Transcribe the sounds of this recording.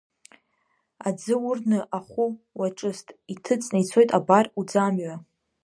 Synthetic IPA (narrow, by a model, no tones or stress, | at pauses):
ad͡zɨʊrnɨʔaχʷʊ | waʈ͡ʂʼɨstʼitʰɨt͡sʼnajt͡sʰo̞jtʼabarud͡zamɥa